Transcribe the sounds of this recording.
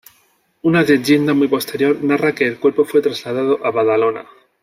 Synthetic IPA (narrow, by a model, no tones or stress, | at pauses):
unaðeʝe̞nd̪amujpo̞st̪e̞ɾjo̞ɾnarake̞ːlkwe̞ɾpo̞fwe̞t̪ɾazlað̞að̞o̞ʔaβaðalo̞na̰